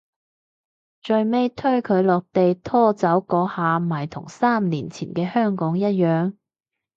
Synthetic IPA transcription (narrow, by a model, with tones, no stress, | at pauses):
t͡ʃɵ˨˧ɥme˧jt̪ʰɵ˥ɥkʰɵ˨˧ɥlɔː˨k̚t̪e˨jt̪ʰɔː˥˩t͡sɐ˨˥wkɔː˨˥haː˨˧maː˨˩jt̪ʰʊ̰˨˩ŋsaː˥mniː˨˩nt͡sʰiː˨˩nkɛː˧hœː˥ŋkɔː˨˥ŋjɐ˥t̚jœː˨ŋ